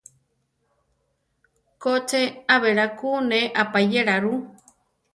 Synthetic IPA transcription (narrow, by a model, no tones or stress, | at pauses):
kot͡seaβeɾakuneʔapajeɾaɾu